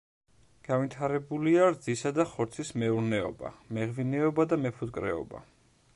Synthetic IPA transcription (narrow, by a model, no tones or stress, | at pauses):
ɡ̥avit̪ʰaɾɛbuliaɾd̪zisad̪aχɔɾt̪sʰismɛuɾnɛɔ̰ba̰mɛʁvinɛɔbad̪amɛpʰut̪ʼkʼɾɛ̰ɔ̰ba̰